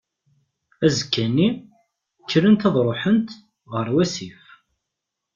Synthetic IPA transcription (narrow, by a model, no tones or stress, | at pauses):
æzəkːæni | kːɾənt̪ɑðˤɾˤoħənt̪ | ʁəɾwæsif